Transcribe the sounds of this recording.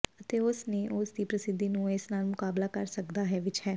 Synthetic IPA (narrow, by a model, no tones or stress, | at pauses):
ət̪eːʊsneːʔʊsd̪iːpɾəsɪd̪ːiːnũːɪsnaːlmʊkaːblaːkəɾsəkd̪aːɦɛːʋɪt͡ʃhɛː